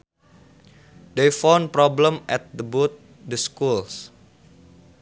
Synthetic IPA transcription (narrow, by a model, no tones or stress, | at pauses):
dejfawnpɾɔblə̃mʔɛt̪̚d̪əbut̪̚ | dəskuls